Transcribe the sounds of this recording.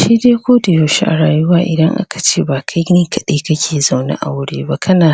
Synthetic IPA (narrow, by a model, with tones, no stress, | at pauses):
ʃiː˦deː˦kʷoː˦da˨joː˨ʃḭ˦ʔa̰˨ɽaː˨jʊ˦waː˦ʔɪ̰˨dɐ˦ŋʔa̰˦kḁ˨t͡ʃeː˦˨baː˨kʰa˦jɡɪ˦kʰɐ˨ɗe˦kɐ˦kʲʰeː˨za˨wna̰˦ʔa̰˨wʊ˦ɽḛː˦ba˦kʰɐ˦naː˨